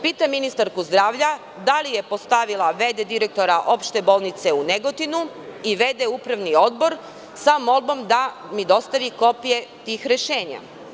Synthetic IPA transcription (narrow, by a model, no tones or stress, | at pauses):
piːt̪aminist̪aɾkuzd̪ɾaːʋʎa | d̪alije̞po̞st̪aʋilˠaʋe̞d̪ed̪iɾek̚t̪o̞ɾaʔo̞pʃt̪e̞bo̞lˠnit̪se̞uneɡo̞t̪inu | iʋe̞d̪eupɾaʋnio̞d̪bo̞ɾ | samo̞lˠbo̞md̪a | mid̪o̞st̪aʋiko̞pije̞t̪iːxɾeʃe̞ːɲa̰